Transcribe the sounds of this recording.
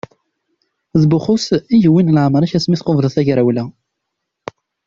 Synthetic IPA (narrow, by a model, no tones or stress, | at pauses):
zbʊχʊsiʝəwːinlʕməɾˤæçæsmiθqovðˤəθæʝɾæwlæ